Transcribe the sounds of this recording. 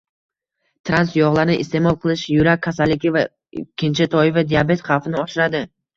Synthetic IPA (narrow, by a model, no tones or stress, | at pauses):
t̪ʰɾansjɒʁlˠaɾnɪʔɪst̪e̞mɒlˠqʰɨlˠɪʃjʊɾakʲʰːasalːɪkʲɪva | ɪkʲʰːɪnt͡ʃʰɪt̪ʰɒɪvad̪ijabe̞t̪χɑwfɪnɪɒʃɪɾad̪ɪ